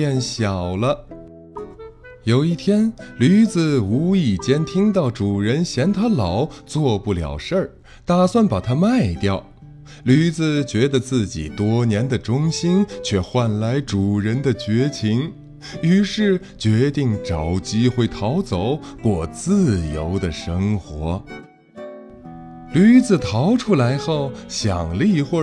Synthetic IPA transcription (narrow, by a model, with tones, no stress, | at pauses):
ɛ˥˩nɕjɑ˨˩ʊlə˦ | jo˨˩ʊi˥˩t̪ʰjɛ˥nly˧˥d͡zɹ̩˧u˧˥i˨˩t͡ɕjɛ˥nt̪ʰi˥ŋt̪̬ɑ˥˩ʊʈ͡ʂu˨˩ɻə˧˥nɕjɛ˧˥nt̪ʰa˥lɑ˧˩ʊt͡swɔ˥˧pu˥˩ljɑ̰˨˩ʊʂə˞˥˩ | t̪a˨˩swa˥˩npa˨˩t̪ʰa˥ma˥˧ɪt̪jɑ˥˩ʊ | ly˧˥d͡zɹ̩˧t͡ɕɥɛ˧˥d̪ə˧t͡sɹ̩˥˩t͡ɕḭ˨˩t̪wɔ˥njɛ˧˥nd̪ə˨ʈ͡ʂʊ˥ŋɕi˥nt͡ɕʰɥɛ˥˧xwa˥˩nla˧˥ɪʈ͡ʂu˨˩ɻə˧˥nd̪ə˧t͡ɕɥɛ˧˥t͡ɕʰi˧˥ŋ | y˧˥ʂɻ̩˥˩ | t͡ɕɥɛ˧˥t̪i˥˩ŋʈ͡ʂɑ˨˧˩ʊt͡ɕi˥xwe˥˩ɪt̪ʰɑ˧˥ʊt͡so˨˩˦ʊkwɔ˥˩t͡sɹ̩˥˧˩jo˧˥ʊd̪ə˨ʂɤ˥ŋxwɔ˧˥ | ly˧˥d͡zɹ̩˨˩t̪ʰɑ˧˥ʊʈ͡ʂʰu˥la˧˥ɪxo˥˩ʊɕjɑ̰˨˩ŋlli˥˧xwɔ˥˩